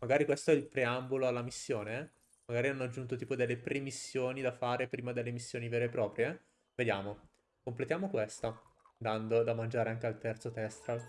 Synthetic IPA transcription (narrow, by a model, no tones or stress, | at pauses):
maɡaːɾikwest̪oɛilpɾeamboloalːamisːjoːne | maɡaːɾianːoad͡ʒːunt̪ot̪iːpod̪elːepɾemisːjoːnid̪afaːɾepɾiːmad̪elːemisːjoːniveːɾeːpːɾɔːpɾje | ved̪jaːmo | komplet̪jaːmokwest̪a | d̪and̪od̪amand͡ʒaːɾeaŋkealt̪ɛrt̪sot̪ɛst̪ɾal